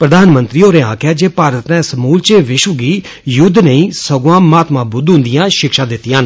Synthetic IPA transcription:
pɾəd̪aːnmənt̪ɾiːoːɾeːã̰ːkʰjaːd͡ʒeːpaːɾət̪nɛ̃ːsəmuːlt͡ʃeːʋɪʃʋəɡiː | jʊd̪nəĩːsəɡãːmaːt̪mãːbʊd̪ɦʊ̃nd̪ɪjãːʃɪkʃãːd̪ɪt̪ːɪjãːn

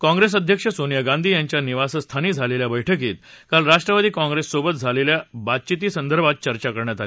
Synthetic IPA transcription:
kɔ̃ŋɡɾes̬əd̪ʱjəkʂəsonijəɡãnd̪ʱiːjãɲt͡ɕjaniʋasəst̪ʰaniːd͡zʱaleljabəjʈʰəkiːt̪kalɾaʂʈɾəʋad̪iːkãŋɡɾesːobət̪̚d͡zʱaleljabat̪̚t͡ɕit̪iːsənd̪əɾbʱat̪̚t͡ɕəɾt͡ɕakəɾɳjat̪ali

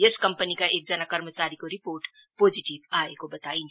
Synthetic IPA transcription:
eskɐ̃mpənikaʔeːk̚d͡ʒɐnakɐɾmət͡ʃaːɾikoɾɪpoːɾʈ | poːd͡ʒiʈiʋaːekobɐt̪aːĩn

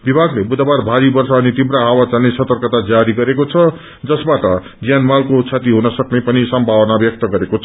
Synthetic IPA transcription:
bibʱaɡlebud̪ʱabarbʱaɾibʌrsʌːnit̪ibɾaɦawat͡sanesʌt̪ʌrkʌt̪ad͡zaɾiɡʌɾekot͡sʰʌ | d͡zʌsbaʈʌ | d͡zjanmalkot͡sʰat̪iɦunʌsʌknepʌnisʌmbʱawʌnabjʌk̚t̪ʌɡʌɾekot͡sʰʌ

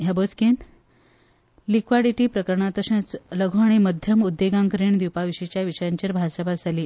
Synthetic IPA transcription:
ɦjabosken | likʋaɽiʈiːpɾəkəɾɳat̪əɕə̃t͡sləɡʱoaɽ̃iməd̪ʱjəmud̪ʱːeɡãŋkəɾeɳd̪iwpaʋiɕet͡ɕjaʋiʂəjaɲt͡ɕəɾbʱasəbʱad͡zʱaliː

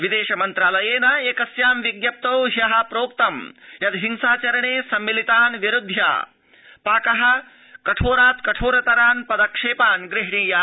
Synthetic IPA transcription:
ʋid̪eːʃɐmɐnt̪ɾaːlɐjeːnɐeːkɐsjaːmʋiɡjɐp̚t̪ɐwɦjɐɦɐ̆pɾoːp̚t̪ɐmjɐd̪ɦiŋsaːt͡ʃɐɾɐɳeːsɐmːilit̪aːnʋjiɾud̪ʱja̰ː | paːkɐɦɐ̆ | kɐʈʰoːɾaːt̪kɐʈʰoːɾɐt̪ɐɾaːnpɐd̪ɐkʂeːpaːnɡɾɪɦɳiːjaː

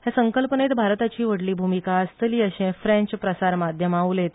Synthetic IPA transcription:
hjasəŋkəlpənet̪bʱaɾt̪at͡ɕiːʋəɽliːbʱumikaəst̪əliːəɕẽfɾɛ̃ɲt͡ɕpɾəsaɾmad̪ʱjəmaulet̪

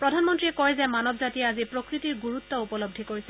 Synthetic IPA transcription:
pɹɔdʱanmɔntɹiɛkɔjzɛmanɔbzatieazipɹokɹitiɹɡuɹut̪ːɔupɔlob̚dʱikoɹisɛ

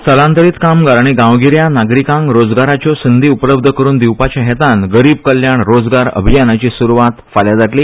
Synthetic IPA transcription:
səlãnt̪əɾiːt̪kamɡaɾaɽ̃iɡãʋɡiɾjanaɡɾikãŋkɾod͡zɡaɾat͡ɕjɔsənd̪ʱiːupləb̚d̪ʱəkəɾuːnd̪iwpat͡ɕaɦet̪ãnɡəɾiːb̚kəljaɳɾod͡zɡaɾə̰bʱijanat͡ɕiːsuɾuʋat̪faljad͡zaʈliː

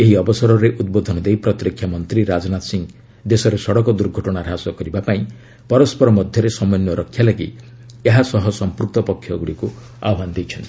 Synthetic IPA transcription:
eɦiɔbɔsɔɾɔɾeʔud̪̚bod̪ʱɔnɔd̪ejpɾɔt̪ɾikʰːjamɔnt̪ɾiɾad͡ʒɔnat̪siŋ | d̪esɔɾesɔɽɔkɔd̪uɾɡʱɔʈɔɽ̃aɾɦasɔkɔɾibapaĩ | pɔɾɔspɔɾɔmɔd̪ʱjɔɾesɔmɔjnjɔɾɔkʰːjalaɡḭ | eɦasɔɦɔsɔmpuɾk̚t̪ɔpɔkʰjɔɡuɽiku | aɔband̪ejt͡ʃʰɔnt̪i

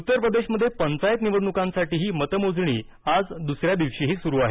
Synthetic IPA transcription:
ut̪ːəɾpɾəd̪eɕməd̪ʱːjepənt͡sajt̪niʋəɽɳukãnsaʈiːɦiːmət̪əmod͡zɳ̃iː | ad͡zd̪usɾjad̪iʋʂiːɦiːsuɾuːaɦe

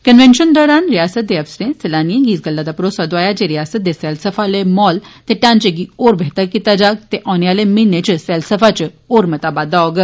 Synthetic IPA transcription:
kənʋenʃənd̪ɔːɾaːnɾijaːsət̪̚d̪eɐfsɾẽsɐlaːniẽɡiːsɡɐlːad̪apɾoːsad̪oaːjad͡ʒeɾijaːsət̪̚d̪esɛːlsəfʰalemɔːlt̪eʈãːnt͡ʃeɡioːɾbeːt̪əɾkit̪ad͡ʒaːɡ̚t̪eʔɔːneaːlemɪnẽt͡ʃsɛːlsəfat͡ʃ | oːɾmɐt̪aːbaːd̪aoːɡ

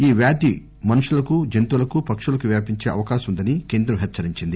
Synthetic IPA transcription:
iːʋjaːd̪i | mɐnuʂulɐkud͡ʒent̪ulɐkupɐkʂulɐkuʋjaːpiɲt͡ʃeːʔɐ̰ʋɐkaːʃɐmund̪ɐnike̞ːnd̪ɾɐmɦɛt͡ʃːt͡ʃːɐɾiɲt͡ʃind̪i

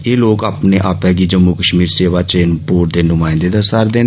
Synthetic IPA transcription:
eːloːkaːpneːʔaːpɛːɡiːd͡ʒəmːuːkəʃmiːɾseːʋaːt͡ʃeːnpoːʈ̚d̪eːnʊmãːɪ̃nd̪eːd̪əsaɾd̪eːnː

